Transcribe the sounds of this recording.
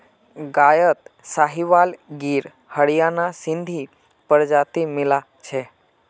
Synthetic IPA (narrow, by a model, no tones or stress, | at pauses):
ɡajət̪saɦiʋalɡiɾ | həɽijanasɪnd̪ʱi | pəɾd͡ʒat̪imɪla | t͡ʃʰe